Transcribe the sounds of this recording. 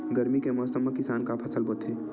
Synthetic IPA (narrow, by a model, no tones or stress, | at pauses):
ɡɐɾmikemɔsəmːakɪsaːnkapʰɐsəlbot̪ʰɦeː